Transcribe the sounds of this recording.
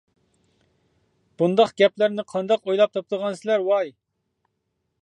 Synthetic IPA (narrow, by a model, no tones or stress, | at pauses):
b̥und̪ɑqɡ̥ʲɛplæɾnɪqʰɑnd̪ɑqojlˠɑp̚t̪ʰop̚t̪ʰəʁɑnsɪlæɾwɑj